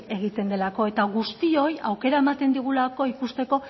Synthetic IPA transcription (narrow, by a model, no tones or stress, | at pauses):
e̞ɣ̞it̪e̞nd̪e̞lako̞e̞t̪aɣust̪io̞ja̰wke̞ɾae̞mat̪e̞nd̪iɣ̞ulako̞ikust̪e̞ko̞